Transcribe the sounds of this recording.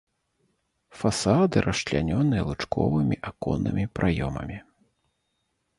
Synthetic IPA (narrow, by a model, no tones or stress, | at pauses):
fasad̪ɨɾʔɐʃlʲanʲɔnɨjɐlˠɨt͡ʂkɔ̰vɨmʲiʔakɔnːɨmʲipɾʔajɔmɐ̰mʲi